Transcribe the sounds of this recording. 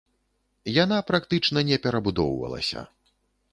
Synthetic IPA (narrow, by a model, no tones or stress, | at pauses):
jan̪apɾakt̪ɨt͡ʂnɐnʲɛpʲɛɾɐbud̪ɔwvɐ̰lˠɐ̰sʲɐ̰